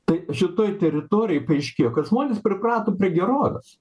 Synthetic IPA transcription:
t̪ɐɪʃʲɪt̪oːjt̪ʲɛɾʲɪt̪oːɾʲɪjɛɪpɐɪʃʲkʲeːjoːkɐt̪ʒmoːnʲespʲɾʲɪprɑːt̪oːpʲɾʲiɛɡʲɛɾoːʋʲɛ̰s

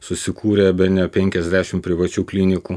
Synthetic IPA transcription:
sʊsʲɪkʰuːɾʲɛbʲɛnʲoːpʲɛŋʲkʲɛzʲd̪ʲæːʃʲɪmpʲɾʲɪʋɐt͡ʃʲuːklʲinʲɪkuː

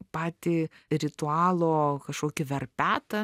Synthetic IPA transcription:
pɑːt̪ʲiɾʲɪt̪ʊɑːlˠoːkɐʃkoːkʲɪʋʲɛrpʲæːt̪ɐ

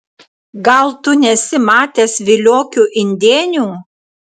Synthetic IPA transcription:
ɡɐlˠt̪ʊnʲɛsʲɪmɑːt̪ʲeːsʋʲɪlʲoːkʲuːʔɪnʲd̪ʲeːnʲuː

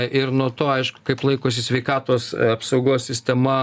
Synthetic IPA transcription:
ʔɪrnuɔt̪oːɐɪʃkʊ̥kɐɪplˠɐɪkoːs̬ʲɪsʲʋʲɛɪkɑːt̪oːsɐpsɐʊɡoːsʲsʲɪsʲt̪ʲɛmɐ

